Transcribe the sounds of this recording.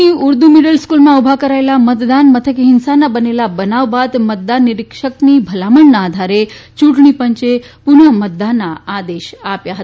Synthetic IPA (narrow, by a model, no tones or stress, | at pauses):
iuɾd̪umiɖəlskulmãubʱakəɾaelamət̪d̪anmət̪ʰəkɦɪnsanabənelabənaʋbat̪mət̪̚d̪anːiɾikʃəknibʱəlaməɳnaːd̪ʱaɾet͡ʃuʈɳipəɲt͡ʃe | pʊnəmət̪̚d̪anːaad̪eʃapjaɦət̪aa